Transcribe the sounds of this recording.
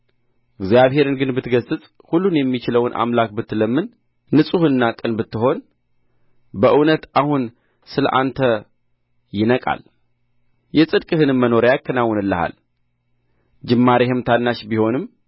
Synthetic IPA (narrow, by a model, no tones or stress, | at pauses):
ʔɨɡzjaβhe̞ɾɨnɡɨnbɨt̪ɡəsɨt͡sʼ | hulːunjɛmːit͡ʃɪləwnʔa̰mlak̚bɨt̪ːləmːɨnː | ɨsʼuhɨnːakʼɨnbɨt̪ːɨɦo̞n | bəʔɨwnət̪ʔahun | sɨlə̰ʔant̪ʰə | jɪnəkʼa̰l | jɛsʼɨd̪kʼɨɦɨnɨmːəno̞ɾjakʰːənawːɔnɨlːəha̰l | d͡ʒɨmːaɾehɨmt̪ʰanːaʃbiho̞nɨmː